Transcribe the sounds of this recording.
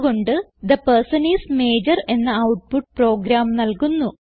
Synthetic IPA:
ɣo̞ɳɖɨd̪ɐpɐrsɐniːsmeːd͡ʑɐre̞nːɐɐwʈ̚puʈ̚pro̞ːɡɾaːmnɐlkunːu

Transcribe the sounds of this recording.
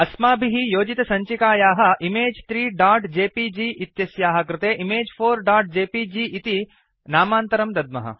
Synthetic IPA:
ɐsmaːbʱiɦijoːd͡ʒit̪ɐsɐɲt͡ʃikaːjaːɦɐ̆ʔimeːd͡ʒt̪ɾiːɖaːʈd͡ʒeːpid͡ʒiːʔit̪jɐsjaːɦɐ̆kɾɪt̪eːʔimeːd͡ʒfʰoːɾɖaːʈ̚d͡ʒeːpiːd͡ʒiːʔit̪i | naːmaːnt̪ɐɾɐmd̪ɐd̪mɐ̰ɦɐ̰

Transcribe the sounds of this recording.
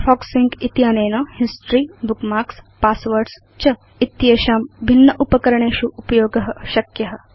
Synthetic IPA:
fʰɔːksiŋɡit̪jaːneːnɐhisʈɾiːbukmaːkspaːsʋɐɾɖs | t͡ʃɐ | it̪jeʃaːmbʱinːɐʔupɐkɐɾɐɳ̃eːʃuʔupɐjoːɡɐɦɐ̆ʃɐkjɐɦɐ̆

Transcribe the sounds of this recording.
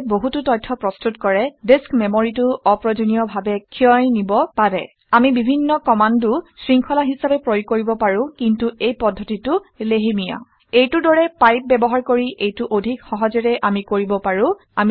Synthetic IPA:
boɦututɔt̚tʰːɔpɹɔstutkɔɹɛdeskmemoɹitʊɔpɹɔd͡ʒonijɔbʱabɛkʰiɔjnibɔpaɹɛ | amibibʱinːɔkɔmandʊsɹiŋkʰɔlaɦisabɛpɹojkoɹibɔpaɹʊ̃kintuʔejpɔdʱːɔtitʊleɦimija̰ | ejtʊdɔɹɛpajp̚bɛbɔɦaɹkoɹiʔejtuʔodʱikxɔɦɔzɛɹɛʔamikoɹibɔpaɹʊ̃ | a̰m

